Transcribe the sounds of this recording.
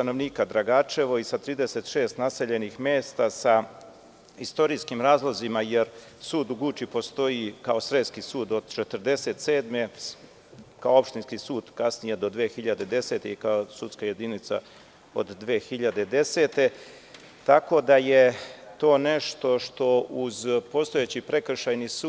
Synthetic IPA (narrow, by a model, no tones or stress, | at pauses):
st̪ano̞ʋniːkad̪ɾaɡaːt͡ʃe̞ʋo̞isat̪ɾiːd̪ese̞t̪ʃeːst̪nase̞ʎe̞nixmeːst̪asa | ist̪o̞ɾiːskimɾaːzlˠozimajeɾ | suːd̪uɡut͡ʃipo̞st̪o̞jikaosɾeskisuːd̪o̞d̪̥t͡ʃet̪əɾd̪e̞se̞t̪seːd̪me | kaoo̞pʃt̪inskisuːd̪kasnije̞d̪o̞d̪ʋeːxiʎad̪e̞d̪e̞se̞ːt̪eikaosut̪skaje̞d̪init̪sa̰ | o̰d̪d̪ʋeːxiʎad̪e̞d̪e̞se̞ːt̪e̞ | t̪ako̞d̪aje̞t̪o̞ːne̞ʃt̪o̞ʃt̪o̞ʔuzpo̞st̪ojet͡ɕipɾe̞kr̩ʃajnisuː